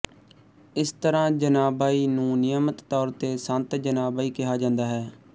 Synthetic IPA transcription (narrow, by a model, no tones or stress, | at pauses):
ɪst̪əɾãːd͡ʒənaːbaːiːnũːnɪjəmət̪ːɔːɾt̪eːsənt̪d͡ʒənaːbaːiːkɪɦaːd͡ʒãːnd̪aːɦɛː